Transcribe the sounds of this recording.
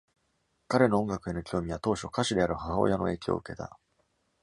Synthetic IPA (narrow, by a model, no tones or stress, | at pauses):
kaɾe̞no̞ːõŋɡakɯ̟e̞no̞kʲʰoːmʲiβat̪o̞ːɕo̞kaɕid̪e̞aɾɯ̟haɦao̰jano̞̰e̞ːkʲio̰ɯ̟ke̞t̪a̰